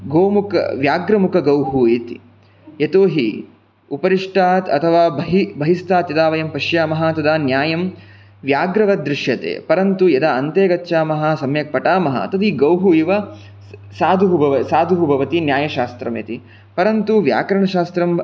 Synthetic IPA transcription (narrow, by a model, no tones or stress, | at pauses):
ɡoːmukɐ̰ʋjaːɡɾɐmukʰɐɡɐwɦueːt̪ḭ | jet̪oːɦi | upɐɾiʂʈaːt̪ɐt̪ʰɐʋaːbɐɦibʱɐɦist̪aːt̪jɐd̪aːʋɐjɐmpɐʂjaːmɐɦat̪ɐd̪aːnjaːjɐm | ʋjaːɡɾɐʋɐd̪ɾɪʃjɐt̪ḛːpɐɾɐnt̪ujɐd̪aɐnt̪eːɡɐtːʃaːmɐɦasɐmjɐk̚pɐʈaːmɐɦɐ̰t̪ɐd̪iɡɐwɦuiːʋɐ | saːd̪ʱuɦubʱɐʋɐsaːd̪ʱuɦubʱɐʋɐt̪injaːjɐʃaːst̪ɾɐmḛːt̪i | pɐɾɐnt̪uʋja̰ːkɐɾɐɳɐʃaːst̪ɾɐm